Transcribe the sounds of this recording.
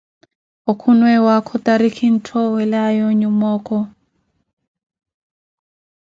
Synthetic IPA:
okʰunwɛwakʰɔtaɾikʰin̩tʰɔwɛlajɔɲumɔːkɔ

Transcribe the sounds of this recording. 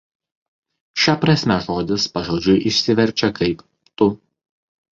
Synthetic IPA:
ʃʲɛpɾɐsʲmʲɛʒoːd̪ʲɪspɐʒoːd͡ʒʲʊɪʔɪʃʲsʲɪʋʲɛɾʲˑt͡ʃʲɛkɐɪp | t̪ʊ

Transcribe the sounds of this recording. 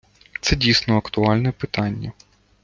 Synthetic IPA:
t̪sɛdʲijsnɔɐkt̪ʊɑlʲnɛpɪt̪ɑnʲːɐ

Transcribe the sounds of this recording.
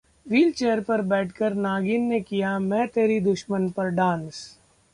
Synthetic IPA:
ʋiːlt͡ʃeːəɾpɐɾbɛːʈʰkɐɾnaːɡɪnːekijamɛ̃ːt̪eːɾid̪ʊʃmənpɐɾɖãːns

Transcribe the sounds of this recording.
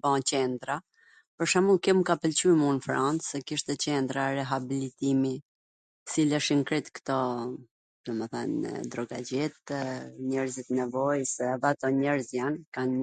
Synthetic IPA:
bãt͡ɕɛnd̪ɾa | pəɾʃamulˠkɛmkapəlt͡ɕymunfɾant͡sɛkiʃt̪ɛt͡ɕɛnd̪ɾaɾɛɦabilit̪imi | silɛʃiŋkɾit̪kt̪ɔ | d̪ɔmɛθa̰n̰d̪ɾɔɡad͡ʑɛt̪ɲɛɾzit̪nɛvɔjsɛvɛat̪ɔɲɛɾzjankan

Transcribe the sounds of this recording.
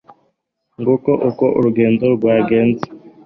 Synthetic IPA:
ŋɡokoʔokoʔo̰ɾuɡeːnd͡zoɡwaːɡeːnzi̥

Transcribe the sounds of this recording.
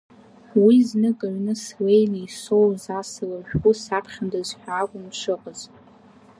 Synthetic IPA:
wiznɨkʼaɥnɨswejniisowzasɨlaʒᶣɡʷusapʰχʲandazħʷᶣaːkʷʼʊnʂʰɨqʼəz̥

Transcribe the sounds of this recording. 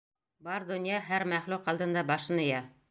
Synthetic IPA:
bɑɾd̪ŏnjɑɦæɾmæχluqɑld̪ɤ̆nd̪ɑbɑʃɤ̆nɤ̆jɑ

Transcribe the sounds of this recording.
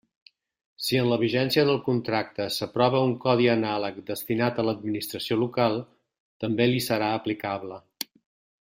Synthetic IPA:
siənləβiʒɛnsiəðəlˠkunt̪ɾak̚t̪əsəpɾɔβ̞əuŋkɔðiənalək̚d̪əst̪inat̪ələd̪̚minist̪ɾəsiolukalˠ | t̪əmbelisəɾaəplikaβlə

